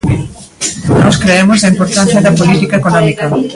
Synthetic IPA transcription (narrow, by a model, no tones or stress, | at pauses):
nɔskɾeemozɐimpoɾt̪ãn̟θjɐðɐpolit̪ikaekonɔmikɐ